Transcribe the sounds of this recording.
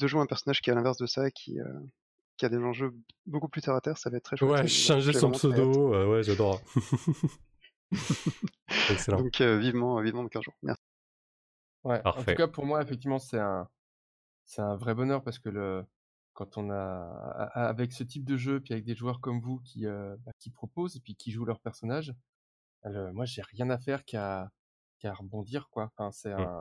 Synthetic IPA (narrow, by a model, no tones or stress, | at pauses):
d̪əʒweɛ̃pɛʁsɔnaʒkʲialɛ̃vɛʁsd̪əsaekʲʰḭø̰ | kʲiad̪eʒɑ̃ʒøbokuplyt̪eʁat̪ɛʁsavaɛt̪t̪ːχɛʃwɛʃɛ̃ʒesɔ̃psod̪oøwɛʒad̪ɔʁ | ɛkselɑ̃dɔ̃kʰøvivmɑ̃vivmɑ̃d̪ɑkɛ̃zʒṵʁmɛ̰i̥ | wɛʔpaʁɑ̃tfɛukapuʁmwaefɛk̚t̪ivmɑ̃sɛɛ̃ | sɛt̪ɛ̃vʁɛbɔnœʁpaʁsə̥kələ | kɑ̃t̪ɔ̃na̰ː | vɛksət̪̬ip̚d̪əʒøepɥiavɛk̚d̪eʒuœʁkɔmvukʲʰiøbakʲipχɔpozepɥikʲiʒulœʁpɛʁsɔnaʒ | ləmwaʒeʁjɛ̃nafɛʁka | kaʁəbɔ̃d̪iʁkwafɛ̃sɛɛ̃